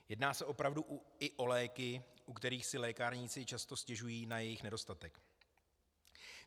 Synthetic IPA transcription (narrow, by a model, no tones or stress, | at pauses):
jɛdnaːsɛʔo̞pɾavduɪʔo̞lɛːkɪʔukt̪ɛɾiːxsɪlɛːkaɾɲɪt͡sɪt͡ʃast̪o̞scɛʒujiːnajɛjɪxnɛdo̞st̪at̪ɛk